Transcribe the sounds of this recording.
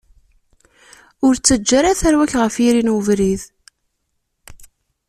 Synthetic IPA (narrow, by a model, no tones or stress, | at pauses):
ʊɾt͡sːəd͡ʒːaɾaθæɾwæçʁəfiɾinəvɾið